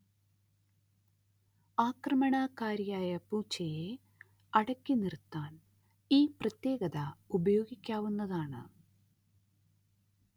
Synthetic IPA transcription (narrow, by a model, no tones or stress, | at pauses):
aːkrɐmɐɳaːkaːɾjaːjɐpuːt͡ɕːɐje | ɐɽɐkːinirt̪ːaːn | iːprɐt̪jeːɡɐðɐubɐjo̞ːɡikʲːaːʋunːɐðaːɳɨ̰